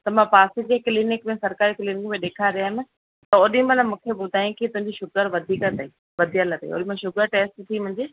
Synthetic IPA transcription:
t̪ɐmãpaːsid͡ʑeklinɪkmẽsɐɾkaːɾikliːnɪkmẽɗeːkʰaɾɪjaːɦɪmɪ̃ | t̪ɐʊɗĩmẽlamũːkʰeɓʊd̪ʱaːjũkit̪ʊ̃ɦɪ̃ɲd͡ʑiʃʊɡəɾʋɐd̪ʱiːkət̪ɐiː | ʋɐd̪ʱijəlt̪ɐ̰ḭʊ̰ɗĩmẽʃʊɡəɾʈeːsʈt̪ʰimʊ̃ɦɪ̃ɲd͡ʑeː

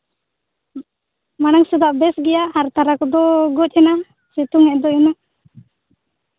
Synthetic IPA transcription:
manaŋsud̪aʔbɛsɡɛjahaɾt̪aɾakɔd̪ɔɡɔc̚ˀɛna | sɛt̪uŋɛʔd̪ɔɛna

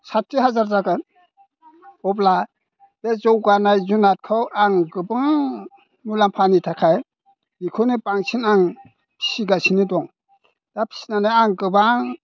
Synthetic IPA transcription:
satɾiɦazaɾzaɡɯ | ɔbla | b̥ezɔwɡanajzunat̚kʰawʔaŋɡɯbɯŋ | mulampʰanitʰakʰaj | mikʰunipaŋsʰinaŋ | pʰi̥siɡasinidɔŋ | d̥apʰi̥si̥nanaaŋɡɯbaŋ

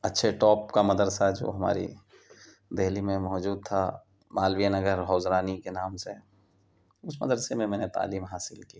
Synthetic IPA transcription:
ɐtːʃʰeʈɔːp̚kamɐd̪əɾsad͡ʒo̰ːɦɐma̰ːɾḭ | d̪eɦlimẽmɔːd͡ʒuːd̪̚t̪ʰa | maːlʋijanɐɡəɾɦɔːzɾaːnikenaːmse | ʊsmɐ̰d̪əɾsemẽmɛːnet̪a̰ːliːmɦaːsɪlki

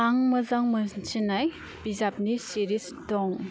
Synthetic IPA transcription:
aŋmɐzaŋmɐnt͡ʃinaj | b̥izap̚nisiɾis | dɔŋ

